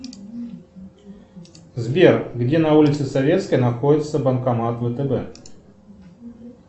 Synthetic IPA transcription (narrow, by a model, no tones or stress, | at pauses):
zbʲerɡdʲe̞nɐulʲɪt̪sɨsɐvʲet̪skəjnɐxodʲɪt̪səbənkɐmat̪vət̪əbɛ